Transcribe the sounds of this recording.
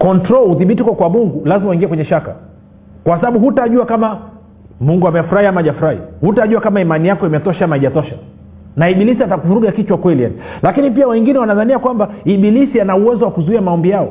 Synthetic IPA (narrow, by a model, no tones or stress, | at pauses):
kɔntɾɔlhuθiɓitikɔkwamuŋɡulazimawuiŋɡiɛkwɛɲɛʃaka̰ | kwasaɓaɓuhutaʄuakama | muŋɡuamɛfuɾahiamaʄafuɾahḭhutaʄuakamaimanijakɔimɛtɔʃaamaiʄatɔʃa | naiɓilisiatakuɾuɠakit͡ʃwakwɛlija̰nilakinipiawɛŋɡinɛwanaðaniakwambaiɓilisianauwɛzɔwakuzuiamaɔmbijaɔ̰